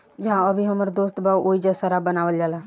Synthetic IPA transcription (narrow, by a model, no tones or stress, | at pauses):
d͡ʒɐɦãəbʱiɦəməɾd̪oːst̪bʱawʔoːid͡ʒasəɾabənaːʋəld͡ʒaːla